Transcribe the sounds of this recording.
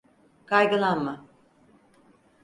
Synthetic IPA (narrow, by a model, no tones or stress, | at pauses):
kʰajɡɯlˠanma